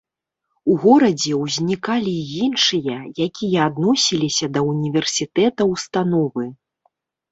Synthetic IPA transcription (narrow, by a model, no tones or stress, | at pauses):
uɣɔɾɐd͡zʲɛwzʲnʲikalʲijinʂɨjɐjakʲijɐad̪nɔsʲilʲisʲɐd̪ɐunʲivʲɛrsʲit̪ɛt̪ɐwst̪anɔvɨ